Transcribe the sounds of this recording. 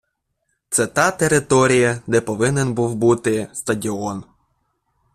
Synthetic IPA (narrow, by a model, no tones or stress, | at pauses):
t̪sɛt̪ɑt̪eɾɪt̪ɔɾʲijɐd̪ɛpɔʋɪnenbuwbut̪ɪst̪ɐdʲɪɔn